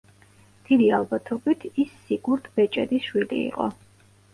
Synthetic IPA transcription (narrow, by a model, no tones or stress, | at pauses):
d̪̥id̪ialˠbat̪ʰɔbit̪ʰisːiɡuɾt̪ʰbɛt͡ʃʼɛ̰d̪isʃwilḭːqʼɔ̰